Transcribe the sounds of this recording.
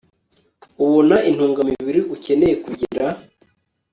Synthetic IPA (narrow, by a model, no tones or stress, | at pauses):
uβonaʔin̥huːŋɡamiβiɾiʔuce̞ne̞jekuɟiɾa